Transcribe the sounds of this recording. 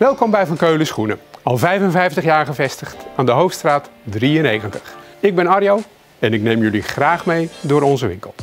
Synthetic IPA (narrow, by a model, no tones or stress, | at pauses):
ʋɛlˠkɔmbɛjvɑnkøɥləsχunəɑlˠvɛjvənvɛjftəχjaːɹχəvɛstəχtaːndəɦowftstraːtdriənejɣəntə̥χɪɡ̚bɛnɑrjow | ɛnɪknejmjɵliχraːχmejdʊːɾɔnzəʋɪ̰ŋkə̰lˠ